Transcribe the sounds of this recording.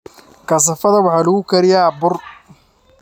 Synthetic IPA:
kʰɐs̬ɐfɐðɐwɑħɑːlʊɣʊkʰɐɾɪjabʊr

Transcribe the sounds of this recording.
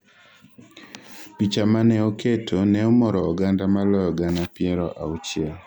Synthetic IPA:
pit͡ʃamanɛoketʰonɛomɔɾɔːɡandamalɔjɔɡanapɪeɾɔʔa̰ut͡ʃɪɛl

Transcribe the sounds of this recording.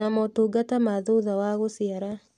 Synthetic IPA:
amɔtoɡatamaðoðawaɣosiaɾa

